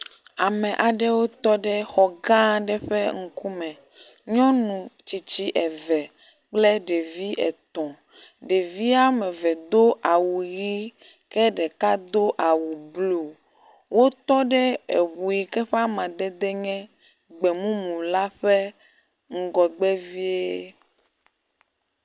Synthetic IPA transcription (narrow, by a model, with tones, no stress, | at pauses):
a˨mɛ̃˨ʔa˨ɖɛ˦wo˦t̪ɔ˦ɖɛ˦xɔ˨ɡã˦ɖɛ˦ɸɛ˦ŋ̩˨ku˦mɛ̃˨ | ɲɔ̃˦nũ˨t͡ɕi˨t͡ɕi˦ʔɛ˨vɛ˨ | k͡plɛ˦ɖe˨vi˦ʔɛ˨t̪ɔ̃˨ | ɖe˨vi˦a˦mɛ̃˨vɛ˨d̪o˦ʔa˨wu˨ɣi˦ | kɛ˦ɖɛ˨ka˦d̪o˦ʔa˨wu˨blu˨ | wo˦t̪ɔ˦ɖɛ˦ḛ˨βu˨ji˨kɛ˦ɸe˦a˦mã˨d̪ɛ˦d̪ɛ˦ɲɛ̃˦ | ɡ͡bɛ˨mũ˦mũ˨la˦ɸɛ˦ | ŋ̩˦˨ɡɔ˨ɡ͡bɛ˦vi˦e˦